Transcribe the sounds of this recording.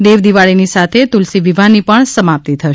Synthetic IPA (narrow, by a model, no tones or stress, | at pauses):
d̪eʋd̪iʋaɭinisat̪ʰet̪ʊlsiʋiʋʱanipəɳsəmap̚t̪it̪ʰəʃ